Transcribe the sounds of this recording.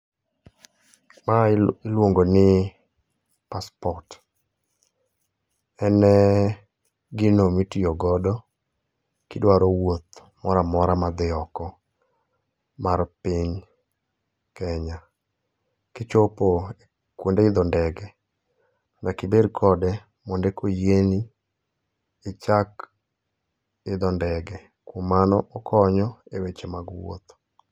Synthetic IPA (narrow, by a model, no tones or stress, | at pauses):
maɪlwoŋɡonɪ | paspɔt | ɛnɛ | ɡɪnomitioɡɔdɔ | kɪdwaɾɔwot̪ | mɔɾamɔɾamad̪ɪɔkɔ | maɾpɪɲ | kɛɲa | kɪt͡ʃopo | kwondeɪd̪ɔndɛɡɛ | nakɪbedkʰɔdɛ | mɔndekojeni | t͡ʃak | ɪd̪ɔndɛɡɛ | kwomanɔʔɔkʰɔɲɔewet͡ʃemaɡwo̰t̪